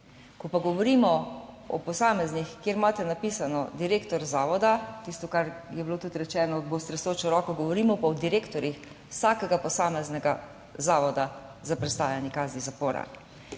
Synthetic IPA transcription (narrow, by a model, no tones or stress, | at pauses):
kɔpaɡɔʋɔɾiːmɔ | ɔ̰pɔsaːmɛznixkjeːɾmaːt̪ɛnapiːsanɔd̪iɾeːkt̪ɔɾzaːʋɔd̪at̪ist̪ɔkaɾjɛbloːt̪ut̪ɾɛt͡ʃɛːnɔbost̪ɾɛsoːt͡ʃɔɾɔːkɔɡɔʋɔɾiːmɔpaɔd̪iɾeːkt̪ɔɾix | wsaːkɛɡapɔsaːmɛznɛɡa | zaːʋɔd̪azapɾɛst̪aːjanjɛkaːznizapoːɾa̰